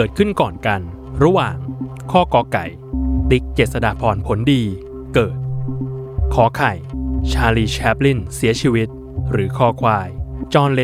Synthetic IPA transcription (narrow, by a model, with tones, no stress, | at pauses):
kɤː˨˩t̪̚kʰɯ˥˩nkɔː˨˩nka˧n | ɾa˦˥waː˨˩ŋ | kʰɔː˥˩kɔː˧˥ka˨˩j | t̪i˦˥k̚t͡ɕeː˨˩t̪̚sa˧da̰ː˨˩pʰɔː˧npʰo˩˦ndiː˧ | kɤː˨˩t̪̚ | kʰɔː˩˦kʰa˨˩jt͡ɕʰaː˧liː˧˩t͡ɕʰɛ˦˥p̚li˥˩nsi˩˦ɐt͡ɕʰiː˧wi˦˥t̪̚ | ɾɯː˩˦kʰɔː˥˩kʰwaː˧˩jt͡ɕɔː˧nle˦˥